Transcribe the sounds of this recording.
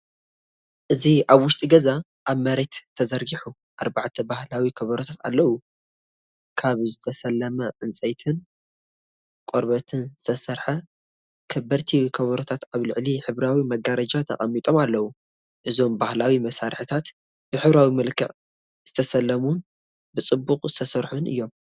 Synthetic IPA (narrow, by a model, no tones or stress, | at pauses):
ʔɨziʔaβwʊʃt̪ʼiɡɐza | ʔaβmɐɾet̪ʰːɐzɐɾɡiħu | ʔaɾbaʕt̪ʰɐbahlawikʰɐβɐɾot̪ʰat̪a̰lːɐwu | kʰaβzɨt̪ʰɐsɐlːɐmɐʕɨnt͡sʼɐjt̪ʰɨn | kʼoɾbɐt̪ʰɨnzzɨt̪ʰɐsɐɾħɐ | kʰɐbɐɾt̪ʰiwkʰɐβɐɾot̪ʰat̪aβlɨʕliħɨβɾawimɐɡaɾɐd͡ʒat̪ʰɐ̰χʼɐmːit̪ʼo̞malːɐwu | ʔɨzo̞mbahlawimɐsaɾħɨt̪ʰat̪ | b̥ɨħɨβɾawimɨlkʰɨʕ | z̥ɨt̪ʰɐsɐlːɐmun | bɨt͡sʼɨbːuqʼzɨ̥t̪ʰɐsɐɾħunʔɨ̰jːo̞m